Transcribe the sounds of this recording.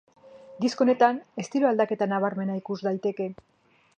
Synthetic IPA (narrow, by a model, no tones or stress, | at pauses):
d̪isko̞ne̞t̪ane̞st̪iɾoald̪ake̞t̪anaβ̞aɾme̞naikuzd̪ajt̪e̞ke̞